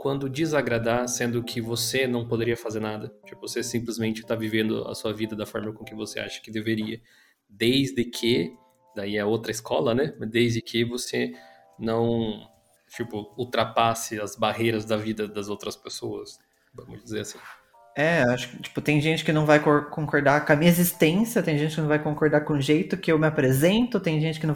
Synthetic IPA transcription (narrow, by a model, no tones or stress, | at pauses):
kwɐ̃nd̪ʊd͡ʒizaɡɾad̪asẽnd̪ʊkʰɪvosenɐ̃w̃pod̪eɾiɐfazeɾnad̪ɐt͡ʃipʊvosesĩmplɪzmẽnt͡ʃɪ̥t̪avivẽnd̪ʊ̰ɐ̰suɐvid̪ɐd̪ɐfɔɾmɐkõkɪvosḛʔa̰ʃɐ̥kɪd̪eveɾiɐ | d̪ejzd̪ɪkʰɪ | d̪aiɛɐowt̪ɾɐɪskʰɔlɐnɛmɐzd̪ejzd̪ɪkʰɪvose | nɐ̃w̃ | t͡ʃipʊuwt̪ɾapasɪɐzbahejɾɐzd̪ɐvid̪ɐd̪ɐzowt̪ɾɐspesoɐs | vɐ̃mʊd͡ʒizeɾasĩ̥ | ɛaʃʊ̥kɪt͡ʃi̥pʊt̪ẽj̃ʒẽnt͡ʃɪ̥kɪnɐ̃w̃vajkoɾkõŋkoɾd̪akɐmĩɲɐezist̪ẽsjɐt̪ẽj̃ʒẽnt͡ʃɪkɪnɐ̃w̃vajkõkoɾd̪aɾkõũʒejt̪ʊkɪewmɪapɾezẽnt̪ʊt̪ẽj̃ʒẽnt͡ʃɪ̥kɪnɐ̃